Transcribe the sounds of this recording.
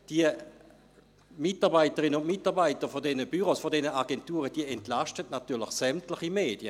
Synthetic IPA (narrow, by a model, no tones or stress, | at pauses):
d̥iə | mɪtaɐʁbaɪtəʁinəʊnmɪtaʁbaɪtəɐfodɛnəb̥yʁosfodɛnəʔaɡɛntuːʁəd̥iəɛntlaʃtətnatyːɐlɪχsɛmtlɪχimeːd̥jə